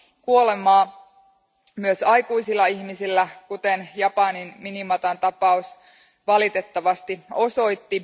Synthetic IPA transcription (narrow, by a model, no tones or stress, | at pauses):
kuolemɑː | myøsɑjkuisilːɑiçmisilːækut̪enjɑpɑninminimɑt̪ɑnt̪ɑpɑus | ʋɑlit̪et̪ːɑʋɑst̪io̞so̞it̪ːi